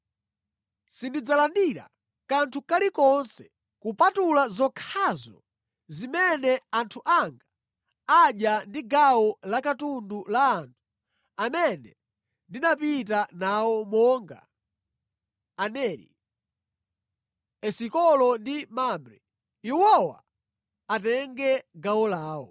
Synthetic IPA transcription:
sindid͡zalandiɾa̰ | kantʰukalikɔnsɛ̥ | kupatulazɔkʰazɔ̰ | zimɛnɛantʰuʔaŋɡa | aɗjandiɡawɔlakatundulaːntʰu̥ | amɛnɛ | ndinapit̬anawɔmɔːŋɡa̰ | nɛlḭ | ɛsikɔlɔndimambɾɛ̰ | iwɔwa̰ | atɛŋɡɛɡawɔlaːwɔ̰

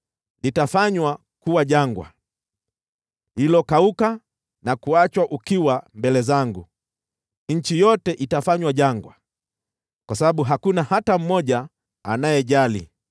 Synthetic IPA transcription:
nitafaɲwa | kuwaʄaŋɡwa̰ | lilɔkauka | nakuat͡ʃwaʔukiwambɛlɛzaŋɡu | ɲ̩t͡ʃijɔtɛʔitafaɲwaʄaŋɡwa | kwasaɓaɓuɦakunahatam̩mɔʄaː | najɛʄalḭ

